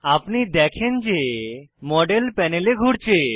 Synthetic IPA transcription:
apnid̪ɛkʰend͡ʑemɔɖelpɛneleɡʱuɽt͡ɕʰe

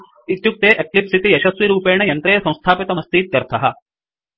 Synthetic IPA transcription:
it̪juk̚t̪eːʔeklipsit̪ijɐʃɐsʋiɾuːpeːɳɐjɐnt̪ɾɐjɐsɐ̃w̃st̪ʰaːpit̪ɐmɐst̪ʰiːt̪̚ːɐɾt̪ʰɐɦɐ̆

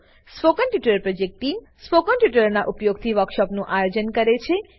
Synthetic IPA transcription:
spokənʈjuʈəɾpɾod͡ʒek̚ʈʈːim | spokənʈjuʈ̬əɾnaʔupjoɡ̚t̪ʰiʋəɾkʃɔpnũʔajod͡ʒənkəɾet͡ʃʰe

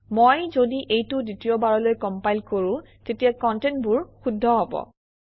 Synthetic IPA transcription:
mojzodiʔejtʊditiɔbaɹɔlojkɔmpajlkoɹʊ̃ | tetijakɔntentbʊɹxudʱːɔɦɔbɔ̰

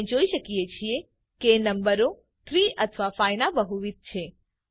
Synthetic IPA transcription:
d͡ʒoiʃəkiet͡ʃʰie | keːnəmbəɾo | t̪ʰɾiət̪ʰʋafajnabəɦuʋit̪̚t͡ʃʰe

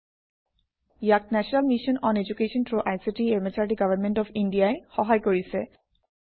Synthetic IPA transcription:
jak̚nɛsʰɔnalmiʃɔnɔned͡ʑukeʃɔntɹoʔajsiʈieɹmɛt͡ɕaɹʈiɡavanmɛnʈɔfʰinɖijaexɔɦajkoɹisɛ

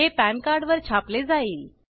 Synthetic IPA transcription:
epænkaɾɖʋəɾt͡ɕʰapled͡zaiːl

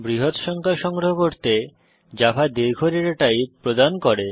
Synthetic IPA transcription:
bɾiɦot̪ʃɔŋkʰaʃɔŋɡɾoɦokoɾt̪e | d͡ʑafʰad̪eɾɡʱoɾeɾaʈajpɾod̪ankoɾe

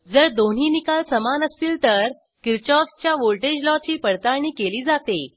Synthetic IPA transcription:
d͡zəɾd̪on̤iːnikalsəmanəst̪iːlt̪əɾ | kiɾt͡ɕɔst͡ɕjaʋolʈed͡ʑlɔt͡ɕiːpəɽt̪aɳ̃iːkeliːd͡zat̪e

